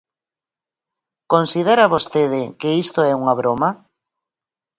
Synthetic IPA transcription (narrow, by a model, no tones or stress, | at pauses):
konsiðeɾaβost̪eðɪkeist̪oɛuŋaβ̞ɾoma